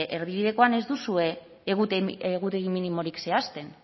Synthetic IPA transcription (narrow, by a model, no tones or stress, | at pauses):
ʔeɾβiβ̞iðe̞ko̞ane̞zd̪usue̞ː | ɣut̪eɣut̪e̞ɣiminimo̞ɾikse̞ast̪e̞n